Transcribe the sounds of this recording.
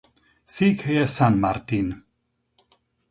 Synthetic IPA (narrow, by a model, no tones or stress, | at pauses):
siːkʰejasanmart̪in